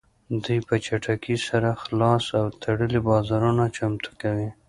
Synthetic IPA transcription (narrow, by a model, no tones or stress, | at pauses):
d̪ujpət͡ʃaʈʰakisaɾaxlɑsawt̪ʰaɽəlibɑzɑɾunat͡ʃamt̪ʰu̥kawi